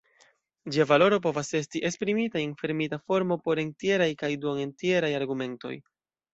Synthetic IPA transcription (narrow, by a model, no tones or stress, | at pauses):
d͡ʒiavalo̞ɾo̞p̬o̞vase̞stiʔe̞spɾimitaenfe̞ɾmitafo̞ɾmo̞po̞ɾe̞ntie̞ɾajkajduŋentie̞ɾajaɾɡume̞nto̞̰j